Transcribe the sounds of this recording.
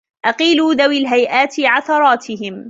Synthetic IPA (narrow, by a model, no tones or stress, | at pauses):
ʔɑqiːluːðawilɦajʔaːt̪ɪʕaθɑɾˤɑːt̪ʰɪɦɪm